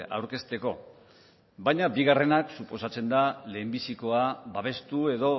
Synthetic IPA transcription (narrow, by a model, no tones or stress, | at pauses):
a̰wɾke̞st̪e̞ko̞ | bajɲabiɣ̞are̞naksupo̞sat͡se̞nd̪ale̞ːmbisiko̞abaβe̞st̪ue̞ðo̞